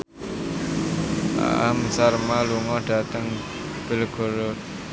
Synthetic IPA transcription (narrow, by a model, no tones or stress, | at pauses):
a̰ʔaməsaɾmaluŋɔɖ̥a̤t̪əŋ | b̥ə̤lɡ̥o̤ɾo